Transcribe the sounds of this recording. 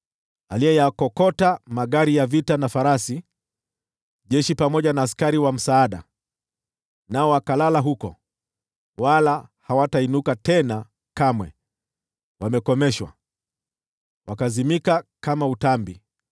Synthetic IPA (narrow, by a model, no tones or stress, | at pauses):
alijɛjakɔkɔtamaɠaɾijavitanafaɾasi | ʄɛʃipamɔʄanaːskaɾiwam̩saːɗa̰ | naɔakalalaɦukɔ̰ | walahawatainukatɛna | kamwɛ̰ | wamɛkɔmɛʃwa̰ | wʔakazimikakamautambi